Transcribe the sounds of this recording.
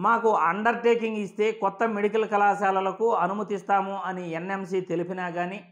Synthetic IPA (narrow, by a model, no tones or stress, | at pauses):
maːkuɐɳɖɐɾʈeːkiŋɡist̪e̞ːkɔt̪ːɐmeɽikɐlkɐlaːʃaːlɐlɐkuɐnumɐt̪ist̪aːmuɐniene̞msiːt̪e̞lipinaːɡaːni